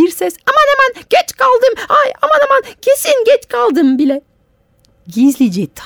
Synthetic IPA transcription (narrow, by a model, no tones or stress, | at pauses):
iɾsɛsamanhemænɟ̥ɛt͡ʃkʰalˠd̪ɯmajamanamancʰe̞sinɟɛt͡ʃkʰalˠd̪ɯmbilʲɛ | ɟizlʲid͡ʒɛt̪ʰ